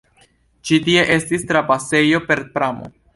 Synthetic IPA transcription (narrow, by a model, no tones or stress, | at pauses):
t͡ʃitie̞ʔe̞stistɾapase̞jo̞pe̞ɾpɾamo̞̰